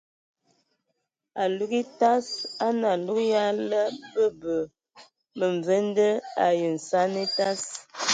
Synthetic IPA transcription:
a˨lu˦ki˦ta˦sa˦na˨lu˦kja˦lə˦bə˦bə˨ | mə˨ɱ˨və˦n˦də˦a˨jə˨n̩˨sa˦ni˦ta˦s

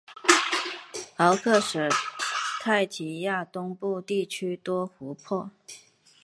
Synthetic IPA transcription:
ɑ˧˥ʊkʰɤ˥˩ʂɻ̩˨˩t̪ʰa˥˩ɪt͡ɕʰi˧˥ja˥˩t̪ʊ˥ŋpu˥˧t̪i˥˩t͡ɕʰy˥t̪wɔ˥xu˧˥pʰɔ˥˩

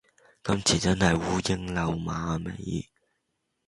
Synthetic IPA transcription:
kɐ˨˥mt͡sʰiː˨˩t͡sɐ˥nhɐ˨jwuː˨˥jɪ˥ŋlɐ˨˧wmaː˨˧mḛ˨˩j

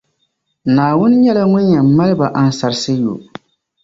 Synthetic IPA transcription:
naː˨wʊ˦n˦ɲɛ˦la˦ŋʊ˦ɲɛ˨m̩˦ma˦lɪ˦ba˨ʔa˨n̩˨sa˨ɾsɨ˦jo̰˨

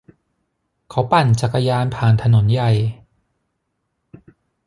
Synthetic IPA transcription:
kʰa˨˦wpa˨˩nt͡ɕa˨˩kːa˧jaː˧npʰaː˨˩nt̪ʰa˧no˩˦nja˨˩j

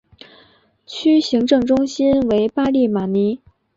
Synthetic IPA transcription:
t͡ɕʰy˥ɕi˧˥ŋʈ͡ʂɤ˥˧ŋʈ͡ʂʊ˥ŋɕi˥nwe˧˥ɪpa˥li˥˩ma˨˩ni˧˥

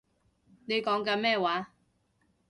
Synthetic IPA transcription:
ne˨˧jkɔː˨˥ŋkaː˧mɛː˥˩waː˨˥˦

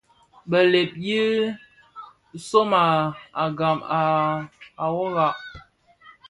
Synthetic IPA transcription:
bə˨le˨p̚ji˦ | so˦ma˨a˨ɡa˨maː˨ | wo˦ɣa˨ʔ

